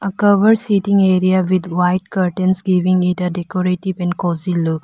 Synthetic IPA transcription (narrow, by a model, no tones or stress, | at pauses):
əkɐʋɐɾsiʈĩŋeɾiawid̪wajtkɐɾʈẽnsɡiʋĩŋiʈɐdekoɾeʈibɛ̃nkoziluk